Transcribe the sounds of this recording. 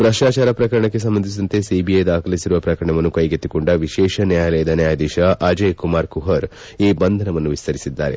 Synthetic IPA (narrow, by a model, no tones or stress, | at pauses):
bɾɐʂaːt͡ʃaːɾɐpɾɐkɐɾɐɳɐk̬ːe̞s̬ɐmːbɐnd̪ʱis̬id̪ɐnt̪e̞sibiɐjd̪aːkʰɐlisiɾuʋɐpɾɐkɐɾɐɳɐʋɐnːukɐjɡet̪ːikoɳɖɐʋiʃɛːʃɐnjaːjɐlɛjɐd̪ɐnjaːjɐd̪iːʃɐʔaːd͡ʒejkumaːɾkuɦɐɾ | iːbɐnd̪ʱɐnɐʋɐnːuʋist̪ʰɐɾisid̪ːa̰ːɾe̞̰